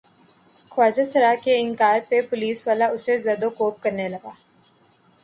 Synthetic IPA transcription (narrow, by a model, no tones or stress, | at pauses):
xʊwaːd͡ʒasɐɾaːkeɪ̃ŋkaːɾpepʊliːsʋaːlaʊsezɐːd̪okoːp̚kɐɾnelɐɡaː